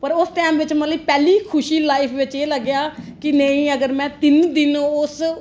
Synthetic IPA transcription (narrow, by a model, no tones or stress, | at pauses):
pəɾʊsʈ̪ɛːmʋɪt͡ʃmət̪ləiːpɛːliːkʰʊʃiːlaːɪpʰʋɪt͡ʃeːləɡjaːkɪnəĩːəɡəɾmɛ̃ːt̪ɪnd̪ɪnʊs